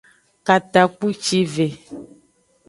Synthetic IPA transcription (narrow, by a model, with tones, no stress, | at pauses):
ka˨t̪a˨k͡pu˦t͡ʃi˦ve˨